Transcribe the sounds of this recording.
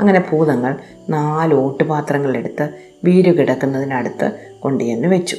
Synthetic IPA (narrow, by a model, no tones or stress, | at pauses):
ɐŋːɐne̞pʰuːðɐŋːɐɭ | naːlo̞ːʈːɨpaːt̪rɐŋːɐɭile̞ɽut̪ːɨ | ʋiːɾukiɽɐkːunːɐðinɐɽut̪ːɨ̰ | ko̞ɳɖijenːɨʋe̞t͡ɕːu̥